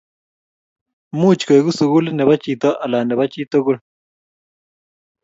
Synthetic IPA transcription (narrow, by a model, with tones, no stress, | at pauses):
mu˦t͡ʃke˨ɣu˦su˨ɣu˦lne˨βa˦t͡ʃi˨t̪o˦ʔa˨la˨ne˨βa˦t͡ʃi˦t̪o˦ɣu˦l